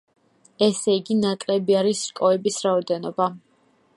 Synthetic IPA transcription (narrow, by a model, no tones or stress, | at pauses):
ɛsɛiɡinakʼlɛbiaɾisɾkʼɔɛbisɾaɔd̪ɛnɔba